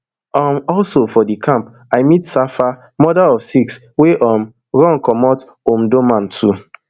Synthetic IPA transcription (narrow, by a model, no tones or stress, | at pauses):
ɔ̃mɔlsofɔdikʰãmp | aɪmitsafa | mɔdaɔfsiks | weʔɔm | ɹɔ̃nkɔmɔt | omdomãntʰu